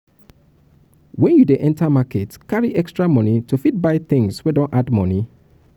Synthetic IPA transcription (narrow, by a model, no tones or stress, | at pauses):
wɛ̃njudeʔɛ̃ntʰamaketkaɹiʔɛkstɹamɔnitufit̚baɪθɪ̃ŋswɛdɔ̃nʔadmɔni